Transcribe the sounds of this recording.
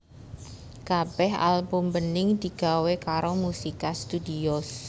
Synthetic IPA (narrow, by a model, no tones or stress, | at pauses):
kab̥ɛɦa̰lpumbənɪŋd̪̥i̤ɡ̥a̤wekaɾomusikast̪ud̪ios